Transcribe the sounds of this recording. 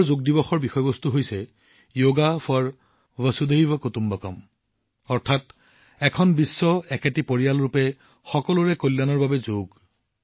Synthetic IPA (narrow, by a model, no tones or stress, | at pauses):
ɹzoɡ̚dibɔxɔɹbixɔjɔbɔst̪uɦojsɛ | joɡafɔɹ | vəsud̪ejbɔkotumbɔkɔm | ɔɹtʰat | ɛkʰɔnbisːɔɛkɛtipoɹijalɹupɛ | xɔkɔlʊɹɛkolːanɔɹbabɛzoɡ